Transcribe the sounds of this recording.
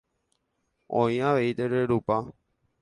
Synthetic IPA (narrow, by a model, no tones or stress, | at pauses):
õj̃ãʋeit̪eɾeɾupa